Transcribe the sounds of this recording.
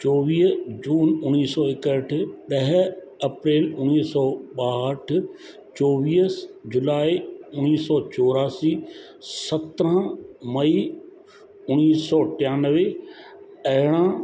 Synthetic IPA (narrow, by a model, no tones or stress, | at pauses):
t͡ɕɔːʋiːɦd͡ʑuːnʊniːsɔːɪkəʈʰɪɗɐɦ | ɐpɾeːlʊniːsɔːɓaːəʈʰʊ | t͡ɕɔːʋiːəsd͡ʑʊlaːiʊniːsɔːt͡ɕɔːɾaːsiː | sɐt̪ɾə̃mɐi | ʊniːsɔːʈɪjaːnəʋe | ɐɦɪɽ̃ã